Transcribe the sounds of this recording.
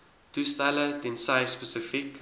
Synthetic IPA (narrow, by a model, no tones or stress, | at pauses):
tustælədensɐjspəsəfik